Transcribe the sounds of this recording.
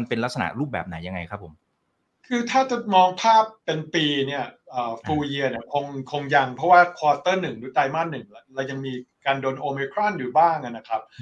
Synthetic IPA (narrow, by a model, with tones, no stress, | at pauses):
npe˧nla˦˥k̚sa˧na̰˨˩ɾuː˥˩p̚bɛː˨˩p̚naː˩˦ja˧ŋa˧jkʰɾa˦˥pʰːo˩˦m | kʰɯː˧t̪ʰaː˥˩t͡ɕa˨˩mɔː˧ŋpʰaː˥˩pːe˧npiː˧ni˥˩ɐʔɤː˨˩fuː˧ji˧əni˥˩ɐkʰo˧ŋkʰo˧ŋja˧ŋpʰɔ˦˥waː˥˩kʰwɔː˧t̪ɤː˥˩nɯ˨˩ŋduː˨˩˦t̪aː˧jma˥˩nnːɯ˨˩ŋla˦˧ɾa˧wja˧ŋmiː˧kaː˧ndoː˧nʔoː˧miː˧kʰɾɔ˥˩njuː˨˩baː˥˩ŋʔa˧˩na˦˥kʰa˦˥p̚